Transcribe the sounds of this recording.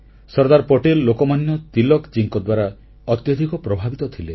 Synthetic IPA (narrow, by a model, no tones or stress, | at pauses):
sɔɾd̪aɾpoʈelːokɔmanjɔt̪ilɔkt͡ʃiŋkɔd̪waɾa | ɔt̪jɔd̪ʱikɔpɾɔbʱabit̪ɔt̪ʰile